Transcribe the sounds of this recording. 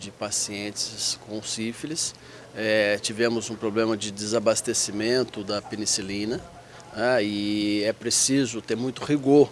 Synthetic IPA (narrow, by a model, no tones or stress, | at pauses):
d͡ʒɪpasiẽt͡ʃɪskõw̃sifelɪs | ɛt͡ʃivẽmʊzũpɾoblẽmɐd͡ʒɪd͡ʒ̪ɪzabast̪esimẽnt̪ʊd̪ɐpenisilĩnɐ | nɛɪɛpɾesizʊt̪eɾmũj̃t̪ʊhiɡoɾ